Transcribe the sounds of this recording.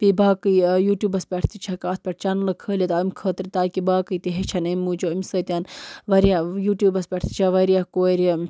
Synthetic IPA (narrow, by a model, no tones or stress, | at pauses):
pibaːkɨjuːʈjuːbɐspʲeʈʰt̪ʰit͡ʃʰɐkaːt̪̚pʲeʈ̚t͡ʃɐnlɐkʰəːlʲit̪aːimʲkʰəːt̪ɾit̪aːkibaːkɨt̪iɦet͡ʃʰɐnɐmʲːuːt͡ʃoimʲsəːt̪ʲanʋɐɾjajuːʈʲjuːbɐspʲeʈt̪ʰi̥t͡ʃʰɐʋɐɾijakoːɾɐ